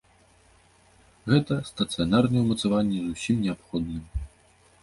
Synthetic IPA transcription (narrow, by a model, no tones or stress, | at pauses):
ɣɛt̪ɐst̪ɐt̪sɨjanarnɨjɛwmɐt̪savanʲːɛzusʲimnʲɛapxɔd̪nɨm